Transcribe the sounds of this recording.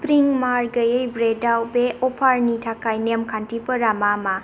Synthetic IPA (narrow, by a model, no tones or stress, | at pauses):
pɾiŋmaɾɡəjəjbɾedawbeʔɔpʰaɾnitʰakajnemkʰantipɐɾamama